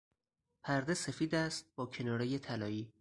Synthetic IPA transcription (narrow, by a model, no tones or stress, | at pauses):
pʰæɾd̪e̞se̞fiːd̪æst̪̚b̥ɒːcʰe̞nɒːɾeje̞t̪ʰælɒːiː